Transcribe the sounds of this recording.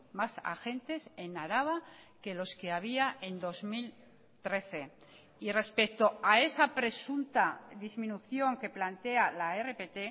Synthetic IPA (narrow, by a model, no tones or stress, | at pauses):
masa̰xe̞nt̪e̞se̞naɾaβ̞ake̞lo̞ske̞aβ̞iaʔe̞nd̪o̞zmil | t̪ɾe̞θe̞ | ire̞spe̞k̚t̪o̞ae̞sapɾe̞sunt̪aðizmĩnuθjo̞ŋke̞plant̪e̞alaere̞pe̞t̪e̞